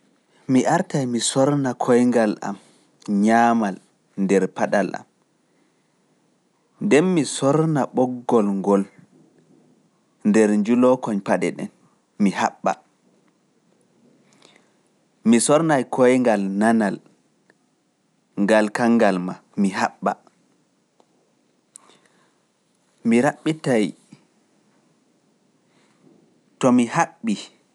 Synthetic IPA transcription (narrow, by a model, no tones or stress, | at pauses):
miʔaɾtajmisɔɾnakʰɔjŋɡalʔa̰m | ɲaːmal | ndɛɾpaɗalʔa̰m | ndɛnmisɔɾnaɓɔɡːɔlŋɡɔl | ndɛɾɲd͡ʒulɔkɔɲpaɗɛ̰ɗɛ̰n | mihaɓːa̰ | misɔɾnajkʰɔjŋɡalnanal | ŋɡalkaŋːɡalma | miɦaɓːa̰ | miɾaɓːitaj | tɔmihaɓːi